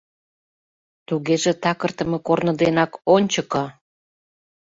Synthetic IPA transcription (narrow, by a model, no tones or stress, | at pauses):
t̪uɣeʒĕt̪ɑkə̆rt̪ə̆mekornə̆d̪enɑkonʲt͡ɕəkɤ